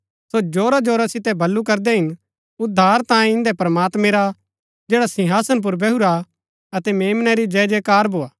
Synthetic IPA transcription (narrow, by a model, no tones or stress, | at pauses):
sod͡ʒoːɾad͡ʒoːɾasɪt̪ɛbʱɐlːukɐɾd̪ɛɦɪn | ʊd̪ʱːaːɾt̪ãːjẽɪ̃nd̪ɛpɾɐmaːt̪mɛ̃ɾa | d͡ʒeːɽasɪ̃ɦaːsənp̬ʊɾbɛɦuɾa | ɐt̪ɛmeːmnɛɾid͡ʒɛːd͡ʒɛkaːɾbʱoːaː